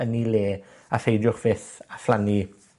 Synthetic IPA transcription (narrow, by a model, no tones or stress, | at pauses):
ənileː | aθejdjʊχv̥ɪθaflani